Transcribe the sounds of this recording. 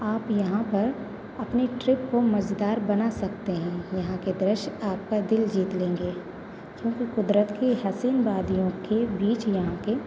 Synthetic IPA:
aːpjɐɦãpɐɾ | ɐpneʈɾɪp̚komɐd͡ʒd̪aːɾbɐnasɐk̚t̪eɦɛ̃jɐɦãked̪ɾɪʃaːp̚kad̪ɪld͡ʒiːt̪lẽːŋɡeː | kjõːkikʊd̪ɾət̪kiɦɛsiːnbaːd̪ijõkebiːt͡ʃjɐɦãke

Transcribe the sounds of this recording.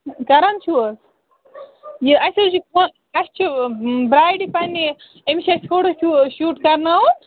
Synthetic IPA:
kɐɾɐnt͡ʃʰuəs | jiɐsʲɐt͡ʃʰikon | ɐst͡ʃʰibɾaːjɖipɐni | emt͡ʃʰiɐsʲt̪ʰoːɽot͡ʃʰuʃuːʈkɐɾnɐwu

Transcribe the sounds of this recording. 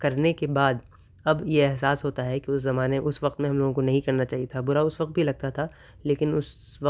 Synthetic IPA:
kɐɾnekebaːd̪ | ɐbjeɛɦsaːsɦoːt̪aɦɛkiʊszɐmaːneʔʊsʋɐqt̪mẽɦɐ̃mloːɡõkonɐɦĩkɐɾnat͡ʃaːɦijet̪ʰabʊɾaʊsʋɐq̚t̪̚bʱilɐɡ̚t̪at̪ʰaː | leːkɪnʊs | ʋɐ

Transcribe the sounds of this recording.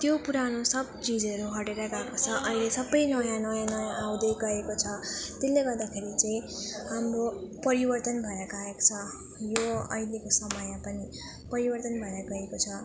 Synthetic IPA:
t̪jopuɾanosʌb̚t͡sid͡zʌɾuɦʌɽeɾʌɡakot͡sʰʌʔʌilesʌbːʌjnʌjãnʌjãnʌjãʔaw̃d̪ʌjɡʌekot͡sʰʌt̪elːeɡʌrd̪akʰeɾit͡sʌ̃ĩhamropʌɾibʌrt̪ʌnbʱʌeɾʌɡaeko̥t͡sʰʌ | joʌ̰ilekosʌmʌjãpʌni | pʌɾibʌrt̪ʌnbʱʌeɾʌɡʌekot͡sʰʌ

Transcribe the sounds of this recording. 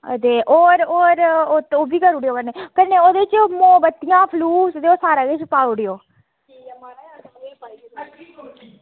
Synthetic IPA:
d̪eːʔoːɾoːɾoːt̪oːbiːkəɾuɽɪjoːkəneːkəneːoːd̪eːt͡ʃmobət̪ːɪjãːpʰluːsd̪eːoːsaːɾaːɡet͡ʃpaːʊɽijoː

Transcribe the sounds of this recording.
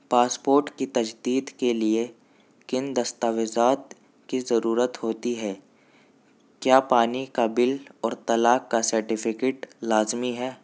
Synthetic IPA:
paːspoːɾʈkit̪ɐd͡ʒd̪iːd̪kelie | kɪnd̪ɐst̪aːʋɪzaːt̪ | kizɐɾuːɾət̪ɦoːt̪iɦɛː | kjaːpaːnikabɪlɔːɾt̪ɐlaːkːasɐɾʈɪpʰɪkeːʈlaːzmiɦɛː

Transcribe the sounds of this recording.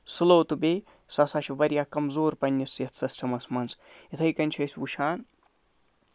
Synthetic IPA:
sɨlowt̪ɨbeː | sɐsaʃʰiʋɐɾjaːkɐmzoːɾpɐnʲːɐsjɐt̪ʰsɐsʈʰɐmɐsmɐnzit̪ʰɐjkɐnʲt͡ʃʰɐsʲuʃʰaːn

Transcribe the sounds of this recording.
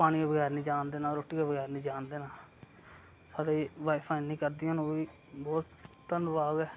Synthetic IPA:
paːɽ̃ĩːkeːbəɡɛːɾnĩːd͡ʒaːnd̪eːnaːɾoːʈːiːkeːbəɡɛːɾnĩːd͡ʒaːnd̪eːnaː | saːɽeːʋaːipʰaːĩnĩːkəɾd̪ɪjãːnõːʋiː | bɔːt̪ː | ənd̪baːɡɛː

